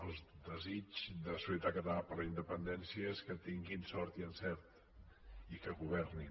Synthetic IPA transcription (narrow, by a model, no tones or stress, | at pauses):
əlˠd̪əzid͡ʒðəsusjət̪akət̪əlapəɾləind̪əpənd̪ɛnsjiəeskət̪iŋɡinsɔɾt̪iənsɛɾt̪ | ikəɣuβɛrni